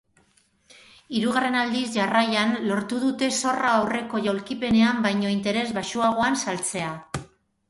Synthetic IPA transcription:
iɾuɣare̞nald̪isʝarajanlo̞ɾt̪uð̞ut̪e̞so̞raːwre̞ko̞ʝawlkipe̞ne̞ambajɲo̞int̪e̞ɾe̞zβaʃuaɣ̞oansalt͡se̞a

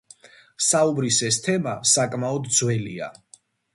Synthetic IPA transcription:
saubɾisɛst̪ʰɛmasakʼmaɔd̪d̪zwɛlḭa̰

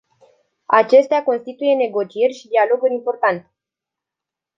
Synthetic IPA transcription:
at͡ʃe̞st̪eako̞nst̪it̪uje̞ne̞ɡo̞t͡ʃie̞rʲʃid̪ialo̞ɡuɾimpo̞rt̪ant̪

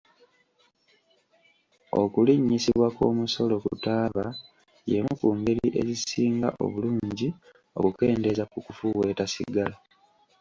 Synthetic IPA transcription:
o̞̰kuliɲːisiβwako̞̰ːmuso̞lo̞kṵtaːβa | jemukuŋɡe̞ɾiʔe̞zisiːŋɡa̰ʔo̞̰βuluːɲɟi | o̞̰kuke̞ːnde̞zakukufuwe̞ːtasḭɡala

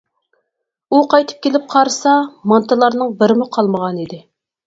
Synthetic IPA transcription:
uqʰɑjt̪ʰɨ̥p̚kʲʰelɪp̚qʰɑɾsɑmɑnt̪ʰɨlˠɑɾnɨŋbɪɾɪmʊqʰɑlˠməʁɑnid̪ɪ

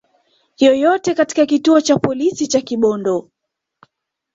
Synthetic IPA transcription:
jɔjɔtɛkati̥kakituɔt͡ʃapɔlisit͡ʃakiɓɔndɔ

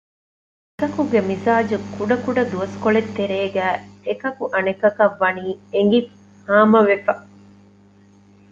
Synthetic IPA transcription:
ekɐkuɡemisaːd͡ʒukuɖɐkuɖɐd̪uɐskoɭet̪ːeɾeːɡæːekɐkuʔɐnekɐkɐʋːɐniːeŋɡi | haːmɐʋefɐ

